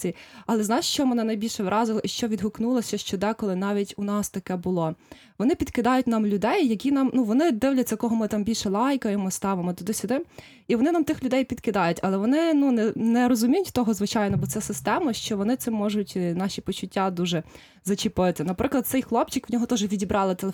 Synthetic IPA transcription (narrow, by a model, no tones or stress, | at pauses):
iɐlˠɛznɑjʃʃt͡ʃɔɦɔmenɪnɐjbʲilʲʃɛʋɾʔɑzɪlˠɐiʃt͡ʃɔʋʲid̪ɦʊknulˠɐsʲɐʃt͡ʃɔd̪ɛkɔlˠɪnɑʋʲitʲʊnɑst̪ɐkɛbʊlˠɔ | ʋɔnɪpʲid̪kɪd̪ɑjʊtʲnɑmlʲʊd̪ɛjːɐkʲinɑmnuʋɔnɪd̪ɪwlʲɐtʲt͡sʲːɐkɔɦɔmɪt̪ɑmbʲilʲʃɛlˠɑjkɐjemɔst̪ɑʋemɔt̪ʊd̪ɪsʲʊd̪ɪm | iʋɔnɪnɑmt̪ɪxlʲʊd̪ɛjpʲid̪kɪd̪ɑjʊtʲɐlˠɛʋɔnɪnunɛnɛɾɔzʊmʲijʊtʲt̪ɔɦɔzʋɪt͡ʃɑjnɔbɔt̪sɛsɪst̪ɛmɐʃt͡ʃɔʋɔnɪt̪sɪmːɔʒʊtʲnɑʃʲipɔt͡ʃʊtʲːad̪uʒɛ | zɐt͡ʃɪpɪt̪ɪnɐpɾʔɪklˠɐd̪sɛjxlˠɔpt͡ʃɪkʋnʲɔɦɔt̪ɔʒʋʲidʲibɾɑlˠɪt̪elˠ